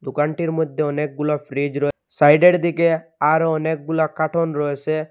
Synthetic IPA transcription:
d̪ʊkaːɳʈiɾmʊd̪ʱːeɔneːk̚ɡʊlapʰɾiːd͡ʒɾɔesaːɪɖeɽd̪ikeaːɾoɔneːk̚ɡʊlakaʈʰoːnɾɔese

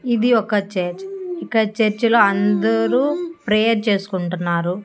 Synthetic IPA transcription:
id̪iɔkɐt͡ʃeɾt͡ʃikɐt͡ʃeɾt͡ʃloːɐnd̪ɐɾuːpɾejɐɾt͡ʃe̞ːsu̥kuɳʈunːaːɾu

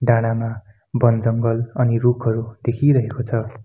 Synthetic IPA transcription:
ɖaɽ̃ama | bʌnd͡zʌŋɡʌlʌnirukʰʌɾud̪̥ekʰiɾʌɦekot͡sʰʌ

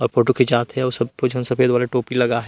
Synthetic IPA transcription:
ɔːɾfoːʈoked͡ʒaːt̪ɦɛɔɾsɐb̚kod͡ʒʱɐnsɐfeːd̪ʋaːleʈoːpilɐɡaɦɛ

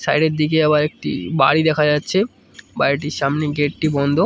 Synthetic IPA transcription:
sajɖeɾd̪ik̬eɛβaɾek̚ʈḭbaɽid̪ɛkʰad͡ʑatːɕʰe | baiʈiɾʃamneɡeʈ̚ʈibɔnd̪ʱo

